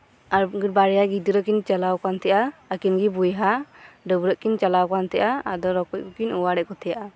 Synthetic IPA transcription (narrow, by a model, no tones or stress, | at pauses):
aɾɡiɾbaɾɛjaɡid̪uɾɔkint͡ʃalawkant̪ɛʔaəkinɡibujɦaɖəbuɾəʔkint͡ʃalawkant̪ɛʔaad̪ɔɾɔkɔc̚kɔkinuwaɽɛʔkɔt̪ʰɛjaʔa